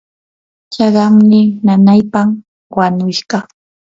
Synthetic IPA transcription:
t͡ʃɑɢɑmnɪnanajpam | wanʊka

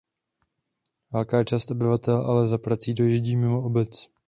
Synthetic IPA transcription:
vɛlkaːt͡ʃaːst̪ʔobɪvat̪ɛlʔalɛzapɾat͡siːdo̞jiʒɟiːmɪmo̞obɛt͡s

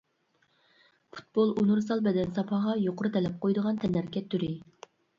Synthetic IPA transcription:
pʰu̥t̪̚bolˠunuɾsɑlˠbɛd̪ɛnsɑpʰɑʁɑjoqʰʊɾɨt̪ʰɛlɛp̚qʰojd̪əʁɑnt̪ʰɛnæɾkʲʰɛt̪ʰːyɾɪ

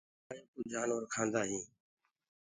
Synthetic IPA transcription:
aːeːkuːd͡ʒʱaːnoːɾkʰãːnd̪aːɦĩː

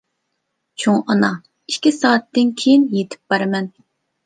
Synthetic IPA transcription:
t͡ʃʰoŋɑnɑ | iʃkʲisɑːt̪ːɪnkʲʰejinjet̪ʰɪ̥p̚bɑɾɨmɛn

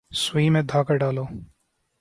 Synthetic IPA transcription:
swiːmẽd̪ʱaːkəɾɖaːloː

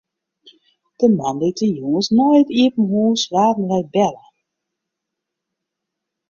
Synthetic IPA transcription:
d̥əmanlitəjoŋəsnojətiəpn̩ɦuːsʋaːtn̩lɛbɛlə

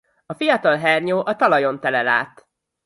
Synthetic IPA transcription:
ɒfijɒt̪ɒlɦɛrɲoːʔɒt̪ɒlɒjo̞nt̪ɛlɛla̰ːt̪

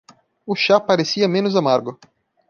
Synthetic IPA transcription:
ʊʃapaɾesiɐmẽnʊzamaɾɡʊ

